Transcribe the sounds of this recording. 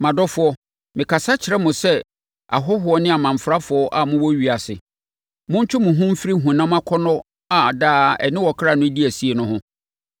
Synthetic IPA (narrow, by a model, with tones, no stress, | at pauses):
mã˨dɔ˦fʊ˨ɔ˦ | mɪ̃˨kʰa˨sa˦t͡ɕʰɪ˨ɾɛ˦mʊ̃˨sɛ˦ | a̰˨ɦɔ˦hʊ˨˦ɔ˦nɪ̃˦a˨mã˨m̩˨fɾa˦fʊ˨ɔ˦ʔa˨mʊ̃˦wɔ˦ɥi˨a˨sɪ̰˨ | mʊ̃˦ɲ̩˦t͡ɕᶣʰʊ˦mʊ̃˨ɦʊ̃˦m̩˦fi˦ɾi˦ɦũ˨nã˦m̃˦ã˦kʰɔ˦nɔ̃˦ | a˨daː˦ɛ̰˨nɪ̃˦wɔ˨kʰɾa˨nʊ̃˦di˦æ˨si˦e˨nʊ̃˦ɦʊ̃˦